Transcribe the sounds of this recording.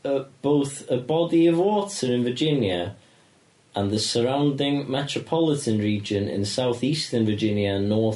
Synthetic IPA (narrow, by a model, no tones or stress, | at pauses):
əb̥oʊθəbɒdiəvwɔˑtəɹɪ̃nvəd͡ʒɪ̃njə | ʔə̃nðəsəɹãʊ̃ndɪ̃ŋmɛtɹ̥əpʰɒlɪtə̃nɹiːd͡ʒə̃nɪ̰̃nsaʊθiˑstənvəd͡ʒɪ̃njəə̃nːɔˑ